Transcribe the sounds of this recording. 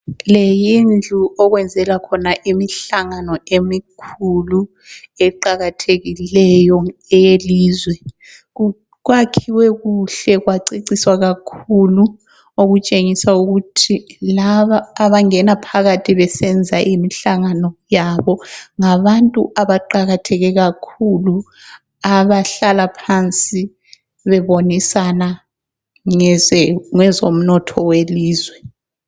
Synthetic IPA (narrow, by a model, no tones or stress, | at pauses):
lejind͡ɮʱuʔɔɣwɛnd͡zʱɛlakʰɔnaʔimiɬaŋanɔemikʰulu | ɛǃaɣatʰeɣilɛjɔɛjeliːzwɛ | ɣwakʰiwɛɣuɬɛɣwaǀiǀiswaɣakʰulu | oɣut͡ʃʼeŋisauɣutʰilaβaːβaŋɛnapʰaɣatʰiβɛsɛnd͡zʱaʔimiɬaŋanɔjaβɔŋaβantʼṵʔaβaǃaɣatʰɛɣɛɣakʰulu | aβaɬalapʰant͡sʼi | βɛβonisana | ŋɛŋɛzom̩nɔtʰɔweliːzwɛ